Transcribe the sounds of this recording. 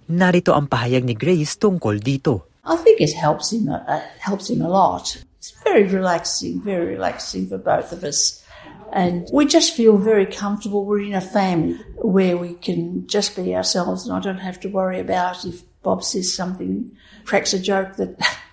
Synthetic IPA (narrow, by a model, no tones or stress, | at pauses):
naɾit̪oʔɐŋpɐɦajaɡ̚niɡɹist̪ʊŋkold̪iːt̪o | ʔaɪθɪ̃ŋkɨt̚hɛlˠpsɪ̃ŋə̰hɛlˠpsɨ̃ŋəlɔ̰tɪtsv̥ɛɹiɹɨlæksɪ̰̃ŋvɛɹiɹɨ̰læ̰ksɪ̃ŋfə˞boʊθʌvʌs | ʔɨ̃nwid͡ʒʌstfilˠvɛɹikʰʌ̃ɱftə˞bəlˠwɪɹɨ̃nɨfæ̃mliwə˞wikʰɨ̃nd͡ʒʌs̚b̥ia̰ʊə˞sɛlˠvzə̃na̰ɪdõʊ̃nt̚hæftɨwɜɹiɨbaʊɾɪf | b̥ɑb̥sɛz̥sʌ̃mθɪ̃ŋ | tʰɹ̥æksɨd͡ʒoʊk̚ðɨt̚